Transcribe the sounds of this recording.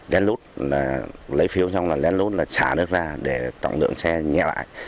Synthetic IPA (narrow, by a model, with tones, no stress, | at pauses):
lɛ˨˦nlu˦˥t̚laː˨˩lə˨˦jfi˨˦əwt͡ɕa˧wŋ͡mlaː˨˩lɛ˨˦nlu˦˥t̚laː˨˩t͡ɕaː˧˩nɨ˦˥ək̚zaː˧ɗe˧˩t̪ɔ̰˧˨ŋ͡mlɨ̰˧˨ə˨ŋsɛ˧ɲɛ̰˧˨la̰ː˧˨j